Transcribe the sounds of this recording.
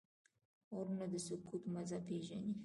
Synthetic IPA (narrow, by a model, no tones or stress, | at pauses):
oɾnad̪əsʊkut̪mazapeʒani